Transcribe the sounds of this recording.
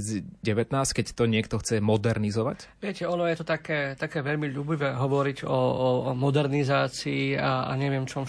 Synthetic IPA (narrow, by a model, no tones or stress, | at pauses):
ziɟɛʋɛt̪naːskɛct̪ɔɲɪɛk̚t̪ɔxt͡sɛmɔd̪ɛɾnizɔʋa̰cʋɪɛcɛɔnɔjɛt̪ɔt̪akɛːt̪akɛːʋɛʎmiʎuːbiʋɛːɦɔʋɔɾiɟɔmɔd̪ɛɾnizaːt͡siːaa̰ɲɛʋɪɛmt͡ʃɔm